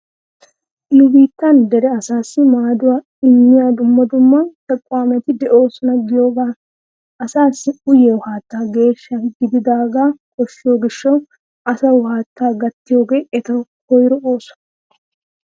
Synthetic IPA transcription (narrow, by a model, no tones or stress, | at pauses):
ʔɪlʊbiːt̪ːɐnd̪ɛɾɛɐsaːsːɪmaːd̪ʊwaː | ɪmːɪjaːd̪ʊmːɐd̪ʊmːɐt̪ɛkʼːwaːmɛt̪ɪd̪ɛʔo̞ːsɔnɐɡɪjo̞ːɡaː | ɐsaːsːɪʊjɛwʊhaːt̪ːaːɡe̞ːʃːɐɡɪd̪ɪd̪aːɡaːkʰɔʃːɪjo̞ːɡɪʃːɐw | ɐsɐwʊhaːt̪ːaːɡɐt̪ːɪjo̞ːɡe̞ːʔɛt̪ɐwhɔjɾɔoːsɔ̥nɐ